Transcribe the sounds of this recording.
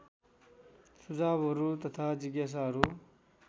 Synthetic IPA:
sud͡zaːbəɾut̪ʌt̪ʰad͡ʒiɡjas̬aɦɾu

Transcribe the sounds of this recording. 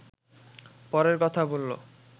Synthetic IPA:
pɔɾeɾkɔt̪ʰabolːo̰

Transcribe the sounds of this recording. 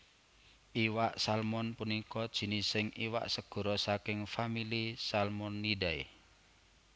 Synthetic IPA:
ʔiwaʔsalmɔnpunikɔd̥ʒ̥i̤nisɪŋiwa̰ʔsəɡ̥ɔ̤ɾɔsakɪŋfamilisalmɔnːiɖae

